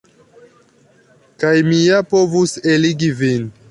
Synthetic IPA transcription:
kajmijapovuseliɡivin

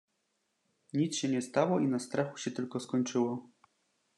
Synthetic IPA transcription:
ɲit̪sɕɛɲɛst̪awɔinast̪ɾaxuɕɛt̪ɘlkɔskɔɲt͡ʂɘwɔ

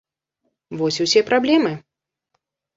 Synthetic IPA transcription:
vɔsʲusʲɛpɾablʲɛmɨ

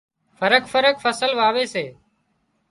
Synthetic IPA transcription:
fəɾəkfəɾəkfəsəlʋaːʋeːseː

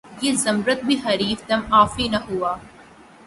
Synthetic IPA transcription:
jezɐmɾət̪̚bʱiɦɐɾiːfd̪ɐmaːfinɐɦuaː

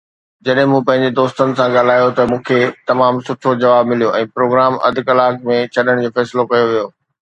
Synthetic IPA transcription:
d͡ʑɐɗɦɪ̃mũpɐ̃ɦɪ̃ɲ̆d͡ʑed̪oːst̪ənɪ̆sãɠaːl̤aːjot̪ɐmũːkʰet̪ɐmaːmsʊʈʰod͡ʑɐʋaːbmɪlijoʔɛ̃ːpɾoːɡɾaːmɐ̰d̪ʱɪkɐlaːkmẽt͡ɕʰɐɗəɽ̃d͡ʑoːfɛːsɪlokɐjoʋijoː

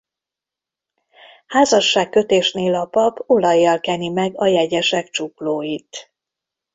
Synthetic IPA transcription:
haːzɒʃːaːkːø̞t̪eːʃneːlɒpɒbo̞lɒjːɒlkɛnimɛɡɒjɛɟɛʃɛkt͡ʃukloːjit̪

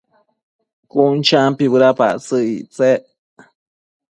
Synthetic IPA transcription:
kunt͡ʃampiβɨɾapa̰ʔt͡sɨiʔt͡seʔ

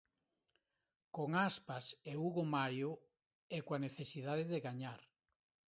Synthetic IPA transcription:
koŋaspaseuɣomajʊ | ɛkwaneθesiðaðɪðeɣaɲaɾ

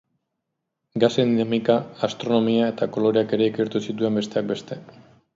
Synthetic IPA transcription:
ɡasend̪inamikaːst̪ɾo̞no̞miae̞t̪ako̞lo̞ɾeake̞ɾe̞ikeɾt̪usit̪ue̞mbe̞st̪e̞ak̚be̞st̪e̞

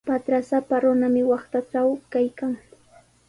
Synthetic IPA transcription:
pat̪ɾasapaɾʊnamɪwɑχt̪aʈ͡ʂawkajkaŋ

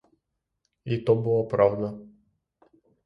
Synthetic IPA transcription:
it̪ɔbulˠapɾavd̪a

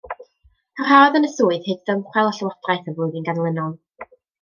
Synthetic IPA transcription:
hər̥aːðənəsuːɨðhɨdðəmχwɛlˠɔɬəwadrajθəvʊɨðinɡanlˠɪnɔlˠ

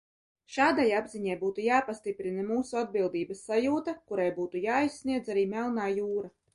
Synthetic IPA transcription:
ʃaːd̪ajabziɲajbuːt̪ujaːpast̪ipɾinamuːsuad̪̚bilˠd̪iːbasːajuːt̪akuɾajbuːt̪ujaːisːniɛd̪zaɾiːmɛlˠnaːjuːɾa

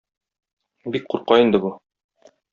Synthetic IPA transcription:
bik̚quɾqɑind̪ɘbu

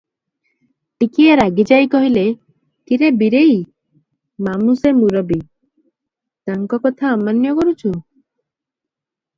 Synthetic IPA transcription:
t̪ikieɾaɡid͡ʒajkɔɦile | t̪iɾebiɾej | mamusemuɾɔbi | t̪aŋkɔkɔt̪ʰaːmanjɔkɔɾut͡ʃʰu

